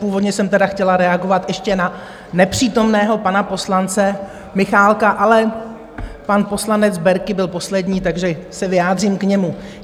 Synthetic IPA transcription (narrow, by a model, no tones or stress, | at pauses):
puːvodɲɛsɛmt̪ɛdaxcɛlaɾɛaɡo̞vat̪ʔɛʃcɛna | nɛpr̝̥iːt̪o̞mnɛːɦo̞panapo̞slant͡sɛ | mɪxaːlkaʔalɛ | panpo̞slanɛd͡zbɛɾkɪbɪlpo̞slɛdɲiːt̪aɡʒɛsɛvɪjaːd̪r̝imkɲɛmu